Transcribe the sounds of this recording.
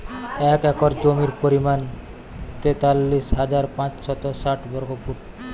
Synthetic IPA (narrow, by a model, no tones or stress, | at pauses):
ɛkɛkoɾd͡ʑomiɾpoɾiman | t̪et̪alːiʃɦad͡ʑaɾpãt͡ɕʃɔt̪osaʈbɔɾɡopuʈ